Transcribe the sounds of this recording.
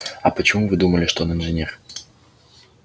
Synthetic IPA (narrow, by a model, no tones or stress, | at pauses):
ɐpɐt͡ɕimuvɨd̪uməlʲɪʂt̪ɔnɨnʐɨnʲɛr